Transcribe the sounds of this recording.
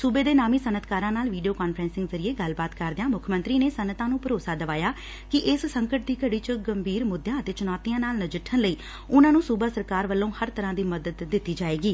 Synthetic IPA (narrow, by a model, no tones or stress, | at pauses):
suːbeːd̪eːnaːmiːsənət̪ʰkaːɾãːnaːlʋiːɖioːkaːnfʰɾɛ̃ːnsɪ̃ŋɡzəɾɪeːɡəlbaːt̪kəɾd̪ãːmʊkʰəmə̃nt̪ɾiːneːsənːət̪ãːnũːpəɾoːsaːd̪əʋaːjaː | kɪʔɪssəŋkəʈ̚d̪iːkəɽiːt͡ʃəɡəmbʱiːɾmʊd̪jãːət̪eːt͡ʃʊnaːt̪ijãːnaːlnəd͡ʒɪʈʰːənləiː | ʊnãːnũːsuːbaːsəɾkaːɾʋəlːõːhəɾt̪əɾãːd̪iːməd̪əd̪ːɪt̪ːiːd͡ʒaːeːɡiː